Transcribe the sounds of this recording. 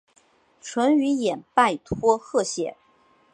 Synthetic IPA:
ʈ͡ʂʰwə˧˥ny˧˥jɛ˨˩npa˥˩ɪt̪ʰwɔ˥xɤ˥˩ɕjɛ˨˩˦

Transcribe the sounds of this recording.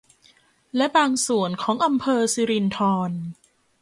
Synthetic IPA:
lɛ˦˥baː˧ŋsu˨˩ənkʰɔː˩˦ŋʔa˧mpʰɤː˧si˧ɾi˧nt̪ʰɔː˧n

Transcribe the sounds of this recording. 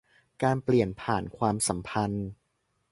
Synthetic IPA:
kaː˧npli˨˩ənpʰaː˨˩nkʰwaː˧msa˩˦mpʰa˧n

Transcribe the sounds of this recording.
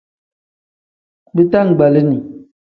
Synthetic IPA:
bi˦ta˦ŋ̩˨ɡ͡ba˨li˦ni˨

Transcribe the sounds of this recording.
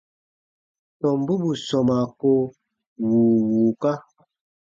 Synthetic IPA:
tɔ˨m˦bu˦bu˨sɔ˨ma˨ko˦ | wuː˨wuː˨ka˦

